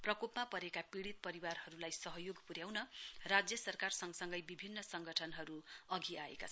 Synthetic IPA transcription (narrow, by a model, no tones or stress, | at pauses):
prʌkopmapʌɾekapiɽit̪̚pʌɾiwarɦʌɾulajsʌɦʌjoɡpuɾjawnʌrad͡zjʌsʌrkarsʌŋɡsʌŋɡʌjbibʱinːʌsʌŋɡʌʈʰʌnɦʌɾuʌɡiaḛka